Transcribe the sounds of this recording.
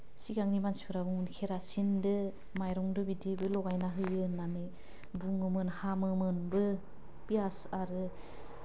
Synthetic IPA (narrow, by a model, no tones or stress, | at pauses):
siɡaŋnimansi̥pʰɯɾabɯmɯnkʰeɾasindɯ | majɾɔŋdɯbidibɯlɔɡajnaɦɯjɯnanɯj | buŋɯmɯnhamɯmɯnbɯ | piasaɾɯ